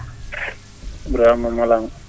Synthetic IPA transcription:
bɾamamalaŋ

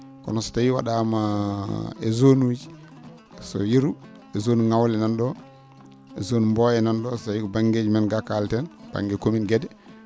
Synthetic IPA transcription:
kɔ̰nɔsɔ̥tajiwa̰ɗama | ɛzonud͡ʒi | sɔ̰jiɾu | ɛzonuŋawlɛnanɗɔ | ɛzonumbɔjɛnanɗɔssajikɔbaŋɡed͡ʒimanɡakaltɛnb̥a̰ŋɡɛkominɡɛdɛ

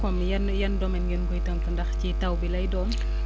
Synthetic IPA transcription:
kɔmjnjɐndɔmɛnɡənbujtəmtɐndɐxcitɐwbilɐjdɔːn

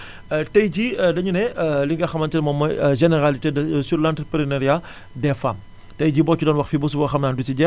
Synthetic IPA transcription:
tɐjɟidɐɲunɛliŋɡɐxɐmɐntɐnɛmɔːmːɐʒɛnɛɾalitedɐsuɾlantɾpɾinɛɾija | dɛfa̰m | tɐjɟibɔːt͡ʃudɔnwɐxfibus̬ubɐxɐmnaːndusiɟɛ

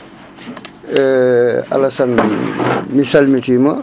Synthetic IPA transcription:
ɐ̰lɐsan | misalmitima

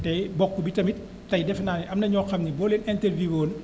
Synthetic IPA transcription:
tɛbɔkːubitɐmit̚ | tɐjdɛfnaːniʔɐmnɐɲɔːxɐmnibɔːleːnɛntɛlviwoːn

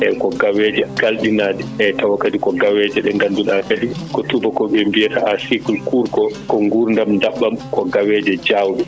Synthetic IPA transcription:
ɛkɔɡawɛd͡ʒɛɡalɗinaːdɛɛtawakʼːadikɔɡawɛd͡ʒɛɗɛŋɡanduɗakaɗikɔtubɔkɔɓɛmbijɛtaʔasikulkuɾkɔkɔŋɡuɾndamndaɓːamkɔɡawɛːd͡ʒɛd͡ʒawɗɛ

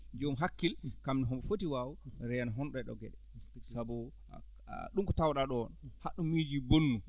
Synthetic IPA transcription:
d͡ʒomɦakːilkamniɦɔmɓɔfotiwaːwuɾɛnaɦɔnɗɔɛɗɔ̰ɡɛɗɛ | sabɔ | ɗumkɔtawɗaɗɔnhaɗumːid͡ʒibonːu

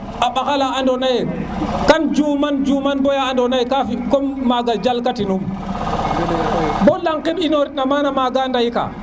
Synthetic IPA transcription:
ʔaɓaxalaandɔnajɛkand͡ʒumand͡ʒumanbɔjaːndɔnajkafikɔmːaɡad͡ʒalkatinum | bɔlaŋkiɓinɔɾinamanamaɡandajka̰

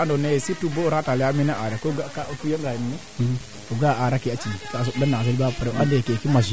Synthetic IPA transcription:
andonesituboɾatalɛaminaʔaɾkoɡakakujaŋɡaininɛ | toɡaʔaɾakiat͡ʃitoas̬danaz̬elbapɾɛandekekimazi

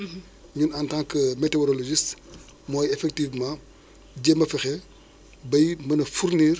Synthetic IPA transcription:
ɲunɐntãːŋkəmeteɔɾɔloʒist | mɔːjɛfɛk̚tiːvmãː | ɟɛmbɐfɛxɛ | bɐjmɐnɐfuɾniːr

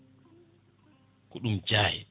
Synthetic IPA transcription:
kuɗumd͡ʒaːhɛ̰

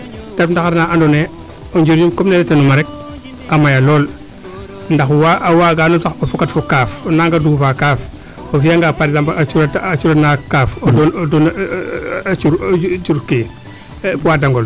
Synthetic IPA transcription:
tafndaxaɾnaʔandone | oɲd͡ʒuɾjumkomnenetenumaɾek̚ | amajaloːl | ndaxwaʔwaːɡanosaxofukatfokaːfonaŋɡadufakaːf | ofijaŋɡaːpaɾezampat͡ʃuɾatat͡ʃuɾanakaːfdondon | t͡ʃuɾd͡ʒuɾke | puwadaŋɡol

